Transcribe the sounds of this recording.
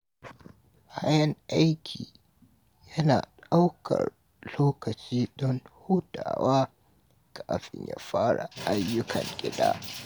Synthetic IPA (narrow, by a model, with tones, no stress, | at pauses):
ha˦jɐ˦ŋʔa˦jkʲʰiː˨ | jɐ˦naː˨ɗa˦wkʰɐ̰˨r | loː˦kɐ˨t͡ʃiː˦ɗɔ˦nhuː˦daː˨waː˦ | kʰaː˨ɸɪ˨ɲja̰ː˨ɸaː˦ɽa˨ʔa˦jːʊ˦kʰɐ˨ŋɡʲɪ˦da̰ː˦